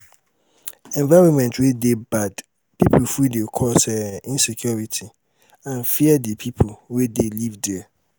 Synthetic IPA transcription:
ɛ̃ɱvaɹɔ̃mɛ̃ntwedebad | pʰip̩ʰfɹidekʰɔsɛĩnsekʰjɔɹitʰi | ãnfiɛdipʰipʰwedelivdɛɛ

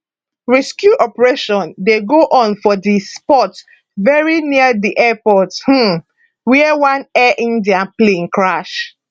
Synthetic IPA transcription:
ɹɛskjuʔɔpɹeʃɔ̃ndeɡoʔɔ̃nfɔdispɔt | vɛɹiniadiʔɛpɔth̩ | wiɛwãnɛʔĩndiãplẽŋkɹaʃ

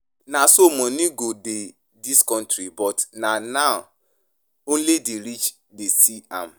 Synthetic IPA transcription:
nãsomɔ̃nĩɡode | diskɔ̃ntɾibɔtnãna | õn̩ledeɾit͡ʃ | desiãm̩

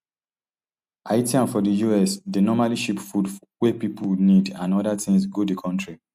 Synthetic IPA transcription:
ʔaɪtiãnfɔdəjuɛsdənɔmaliʃipfud | wɛpipulnidãnɔdatĩŋsɡodikʰɔ̃ntɹi

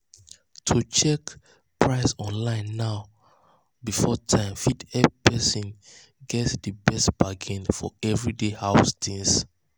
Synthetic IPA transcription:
tʰut͡ʃɛk | pʰɹaɪsɔ̃nlãɪ̃nːaʊ | bifɔtʰãɪ̃mfidɛpɛsĩn | ɡɛtsdəbɛstb̥aɡĩnfɔ̰ɛvɹidehaʊstĩŋs

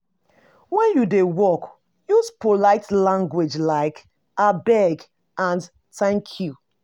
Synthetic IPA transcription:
wɛ̃njudewɔk | juspʰolaɪtlãŋɡwed͡ʒlaɪk | abɛɡ | ʔãn | tʰãɪ̃nkʰu

